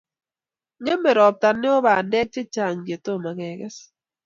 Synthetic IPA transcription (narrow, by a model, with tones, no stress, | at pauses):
ŋe˦me˨ɾɔ˨p̚ta˨nːɪ˦o˦ba˨ndɛ˦k̚t͡ʃe˦t͡ʃa˨ŋɡe˨to˦˨ma˨ɡɛ˨ɡɛ˦s